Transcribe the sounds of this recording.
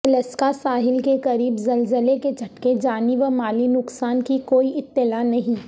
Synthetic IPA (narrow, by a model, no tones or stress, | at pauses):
ɐləskasaːɦɪlkekɐɾiːbzɐlzəleked͡ʒʱɐʈked͡ʒaːniʋəmaːlinʊksaːnkikoːiɪt̪ːɪlaːnɐɦĩ